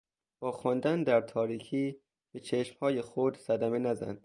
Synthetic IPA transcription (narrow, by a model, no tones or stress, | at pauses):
b̥ɒːxɒnd̪ænd̪æɾt̪ʰɒːɾiːkʰiː | b̥et͡ʃʰeʃmhɒːjexod̪sæd̪æme̞næzæ̰nd̪̥